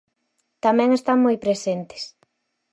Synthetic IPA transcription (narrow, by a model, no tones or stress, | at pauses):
t̪amɛ̃ŋest̪aŋmojpɾesent̪ɪ̥s